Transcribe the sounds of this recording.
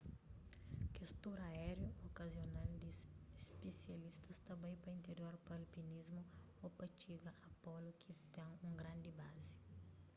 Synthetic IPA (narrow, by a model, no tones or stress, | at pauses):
kest̪oɾaɛɾjookɐzjonald̪ispesjɐlist̪ɐst̪ɐbãjpɐĩnt̪eɾjoɾpɐlpinizmʊ | opɐt͡ʃiɡɐʔɐpɔlʊkʰit̪ɛ̃ŋũŋɡɾãnd̪ibazi̥